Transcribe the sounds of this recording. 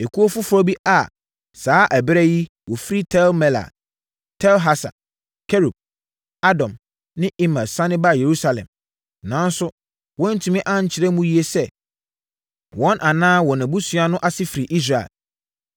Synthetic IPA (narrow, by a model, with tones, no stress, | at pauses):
e˨kʰu˦o˦fu˦fɾɔ˦bi˦ʔa˨ | saː˨˦ʔæ˨bɾɛ˦ji˦ | wɔ˨fi˦ɾi˦tʰɛ˦lmɛ˨la̰˨ | tʰɛ˦lɦa˦sa̰˨ | kʰɛ˦ɾu˨b̚ | a˦dɔ̃˨m | nɪ̃˦i˦mã˨sã˦nɪ̃˦ba˦je˨ɾu˦sa˨lɛ̰̃˨m | nã˨˦n˦sʊ˦ | wɔ̃˦n̩˦tʰũ˨mɪ̃˦ʔã˦ɲ̩˨t͡ɕʰɪ˨ɾɛ˦mũ˦ji˦e˦sɛ˦ | wɔ̃˦nʔa˨nãː˦wɔ˨nã˨bu˦sɥa˦nʊ̃˦ʔa˨sɪ˦fi˨ɾi˨ʔi˦s̬ɾa˨ɛ̰˨l